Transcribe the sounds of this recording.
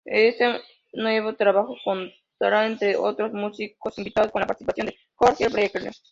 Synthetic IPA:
ese | noeβot̪ɾaβaxokon | t̪aɾaent̪ɾeot̪ɾosmusikosimbit̪aðoskonlapaɾt̪isipaθjond̪e | koɾkeɾpɾojek̚t̪le

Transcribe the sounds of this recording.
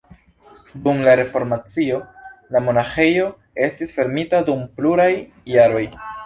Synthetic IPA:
dumlaɾe̞fo̞ɾmat͡sio̞lamo̞naxe̞jo̞ | e̞stisfe̞ɾmitadumpluɾajː | aɾo̞j

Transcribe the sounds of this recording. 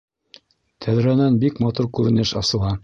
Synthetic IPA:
t̪ʰæðɾænænbikmɑt̪uɾkʉɾɘ̆nɘʃɑsɤ̆lˠɑ

